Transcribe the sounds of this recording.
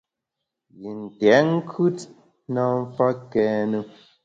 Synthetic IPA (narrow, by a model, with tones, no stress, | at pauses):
ji˨n̩˨tɛ˨˦ŋ˦kʰʉ˦t | na˦m˦fa˦kɛ˦nu˦